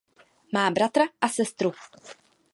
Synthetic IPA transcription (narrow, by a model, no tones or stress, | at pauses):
maːbɾat̪ɾaʔasɛst̪ɾu